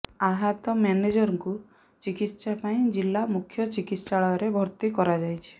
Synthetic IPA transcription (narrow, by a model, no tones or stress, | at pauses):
aɦat̪ɔmaned͡ʒɔɾɔŋku | t͡ʃikit̪ʃapaĩd͡ʒilːamukʰːjɔt͡ʃikit̪saɭɔɔɾebʱɔɾt̪ikɔɾad͡ʒajt͡ʃʰi̥